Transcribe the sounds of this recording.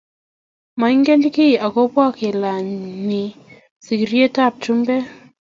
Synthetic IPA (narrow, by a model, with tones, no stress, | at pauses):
ma˨˦ŋɡe˦ndkɪ˦˨a˨ko˦pwa˦ke˨la˨ni˨ | si˨kɾje˦ta˦˨p̚t͡ʃu˦mbɛ˦